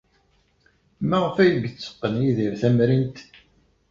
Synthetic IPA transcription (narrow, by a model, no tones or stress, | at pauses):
mæʁəfæjɡət͡sːə̥qːənjiðiɾθæmɾint̪